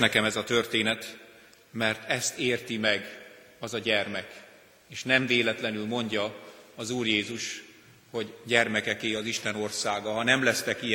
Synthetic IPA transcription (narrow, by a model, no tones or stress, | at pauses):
nɛkɛmɛzɒt̪ø̞rt̪eːnɛt̪ | mɛrt̪ʰɛst̪eːrt̪imɛɡ | ɒzɒɟɛrmɛk | eːʃnɛɱveːlɛt̪lɛnylmo̞ɲɟɒɒzuːrjeːzuʃ | ho̞ɟɟɛrmɛkɛkeːɒziʃt̪ɛno̞rsaːɡɒɦɒnɛmlɛst̪ɛki